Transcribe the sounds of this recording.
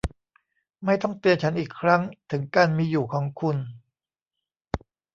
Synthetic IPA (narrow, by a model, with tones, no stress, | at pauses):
ma˥˩jt̪ɔ˥˩ŋt̪i˧ənt͡ɕʰa˦˥nʔiː˨˩kʰɾa˦˥ŋt̪ʰɯ˩˦ŋkaː˧nmiː˧juː˨˩kʰɔː˩˦ŋkʰu˧n